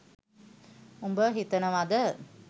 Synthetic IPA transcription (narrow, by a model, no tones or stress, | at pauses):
umbəɦit̪ənəʋad̪ə